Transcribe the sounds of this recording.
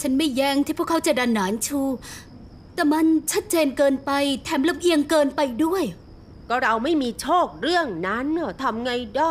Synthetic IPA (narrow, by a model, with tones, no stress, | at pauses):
t͡ɕʰa˦˥nma˥˩jːɛː˧˩ŋt̪iː˥˩pʰu˥˩kʰa˦˥wt͡ɕa˨˩ʔda˧nːaː˩˦nt͡ɕʰuː˧˩ | t̪ɛː˧˩ma˧nt͡ɕʰa˦˥t̪̚t͡ɕeː˧nkɤː˧npa˧jt̪ʰɛː˨˧˩mla˧˥m̚ʔi˧əŋkɤː˧npa˧jdu˥˩əj | kɔː˥˩ɾa˧wma˥˩jmiː˧t͡ɕʰoː˥˩k̚ɾɯ˥˩əŋna˦˥nːɯ˧˩t̪ʰa˧mŋa˧jdaː˥˩